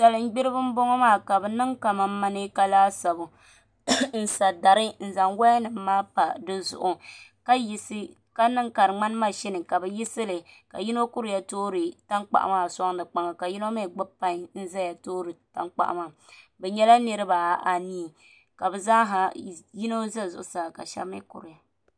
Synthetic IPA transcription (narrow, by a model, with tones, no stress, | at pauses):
sa˨lɨ˨ŋ͡m̩˦ɡ͡bɪ˦ɾɨ˦bɨ˦m̩˦bɔ˦ŋɔ˦maː˦˨ka˨bɛ˨nɨ˦ŋka˨ma˨˦ma˦nɨ˦ka˦laː˦sa˨bʊ˨ | n̩˦sa˨da˨ɾɨ˦n̩˦za˨ŋwɛ˦nɨ˨m̩ː˦aː˦pa˨dɨ˦zʊ̰˨ʔʊ˨ka˦ji˦sɨ˦ | ka˦nɨ˦ŋka˨ɾɨ˨ŋ͡ma˦n˦ma˦ʃɛ˦nɨ˨ka˨bɛ˨ji˦sɨ˦lɨ˨ka̰˨ji˦no˦kʊ˦ɾɪ˨ja˨toː˦ɾɨ˨ta˦ŋk͡pa̰˨ʔa̰˨maː˦˨sa˦ŋ˦nɨ˨k͡pa˦ŋa˨ka˨ji˦no˦ma˦˨ɡ͡ba˦pːa˦ŋ˦n̩˦za˦ja˨toː˦ɾɨ˨ta̰˦ŋk͡pa̰˨ʔa̰˨ma˨bɛ˨ɲɛ˦la˦nɨ˦ɾɨ˦ba˨ʔa˨ni˦˨ | ka˨bɛ˨za˦ɦa˨ji˦no˦za˦zʊ˨ʔʊ˨saː˨ka̰˨ʃa̰˦mɪ˦kʊ̰˨ɾɪ˨ja˨